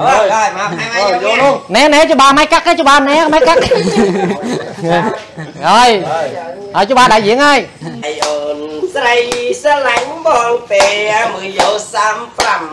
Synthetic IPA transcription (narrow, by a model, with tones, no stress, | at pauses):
oaːma˧pʰna˧ma˧onɛ˧nɛ˧t͡ɕu˧ɓaː˧ma˧jka˧kːa˧t͡ɕo˧˩ɓaː˧nɛ˧ma˧jka˥k̚ | haː˧j | haː˧jt͡ɕu˧ɓaː˧ɗa˧˨ji˧əŋaː˧jjʔoːnsrəjsə˧la˧ŋɓɔː˧ŋpeːamɨ˨jo˧saː˧mpra˧m